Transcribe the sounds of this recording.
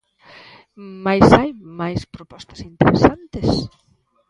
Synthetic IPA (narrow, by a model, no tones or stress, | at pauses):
majsajmajspɾopɔst̪ɐ̥sint̪eɾesant̪es